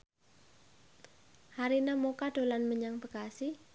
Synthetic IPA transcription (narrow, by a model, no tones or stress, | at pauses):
haɾinamokaɖ̥o̤lanməɲaŋbəɡasi